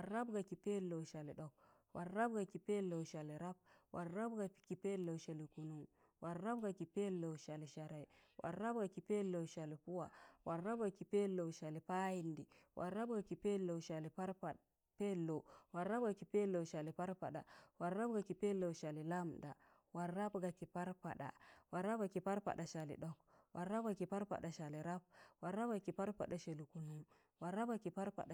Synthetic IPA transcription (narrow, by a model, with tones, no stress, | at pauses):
a˨a˦bɡa˨ki˨pe˦lːo˨ʃa˨li˨ɗo˦k̚ | waː˨a˦bɡa˨ki˨pe˦lːo˨ʃa˨li˨ɾa˦b̚wʔa˨ɾːa˦bɡa˨ki˨pe˦lːo˨ʃa˨li˨ku˨nu˦˨ŋ | wa˨ɾːa˦bɡa˨ki˨pe˦lːo˨ʃa˨li˨ʃa˨ɾa˨i˨wʔa̰˨ɾːa˦b̚ɡa˨ki˨pe˦lːo˨ʃa˨li˨pu˦wa˨wa˨ɾːa˦bɡa˨ki˨pe˦lːo˨ʃa˨li˨pa˦ji˨ndi˨wʔa̰˨ɾa˦bɡa˨ki˨pe˦lːo˨ʃa˨li˨pa˦ɾa˨ | pe˦lːo˨wa˨ɾa˦b̚ɡa˨ki˨pe˦lo˨ʃa˨li˨pa˦ɾpa˨ɗa˨wa˨ɾːa˦bɡa˨ki˨pe˦lo˨ʃa˨li˨la˦mda˨ | wa˨ra˦bɡa˨ki˨pa˦ɾpa̰˨ɗa̰˨wa˨ɾa˦bɡa˨ki˨pa˦ɾpa̰˨ɗa˨ʃa˨lḭ˨ɗɔ˦kwa˨ɾːa˦b̚ɡa˨ki˨pa˦ɾpa̰˨ɗa˨ʃa˨li˨ɾa˦b̚wa˨ɾːa˦bɡa˨ki˨pa˦ɾpa̰˨ɗa˨ʃa˨li˨ku˨nu˦m | wa˨ɾa˦bɡa˨ki˨pa˦ɾpa̰˨ɗa˨